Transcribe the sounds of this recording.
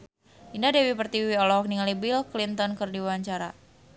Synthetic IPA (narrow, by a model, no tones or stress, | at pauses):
ʔindadewipərt̪iwiɔlɔk̚niŋalibilklint̪ɔnkɨrdiwaɲt͡ʃaɾa